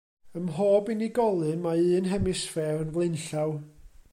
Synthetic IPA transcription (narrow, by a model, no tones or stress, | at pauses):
əmɦoːbɨniɡɔlˠɨnmaɨːnɦɛmɨsfɛrnvlˠɨnɬaw